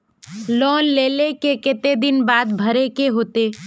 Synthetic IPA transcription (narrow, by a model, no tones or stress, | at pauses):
lɔːnleːlekekɪt̪ed̪ɪnbaːd̪bʱəɾekeɦoːt̪eː